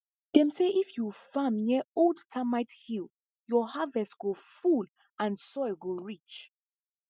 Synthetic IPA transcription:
d̥ɛ̃mseʔifjufãmjɛoldtʰamaɪthil | jɔhavɛstɡ̥oful | ãnsɔɪɡoɹit͡ʃ

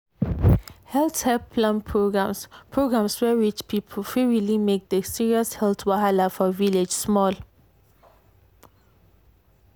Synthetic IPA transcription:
hɛltɛpʰlãnpʰɹoɡɹãmspʰɹoɡɹãmswɛɹit͡ʃpʰipʰəlfiɹilimek̚dəsiɹiɔshɛltwahalafɔviled͡ʒsmɔl

